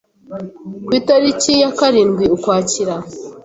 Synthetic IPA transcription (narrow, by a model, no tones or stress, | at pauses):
kwiːtaɾicijakaɾiːnɡwiukwaːciɾa